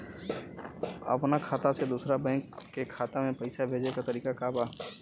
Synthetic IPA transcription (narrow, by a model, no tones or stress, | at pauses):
ɐ̰pnakʰaːt̪ased̪uːsɾabɛ̃ːŋkːekʰːaːt̪amẽpɐɪsabʱeːd͡ʒekat̪ɐɾiːkakabaː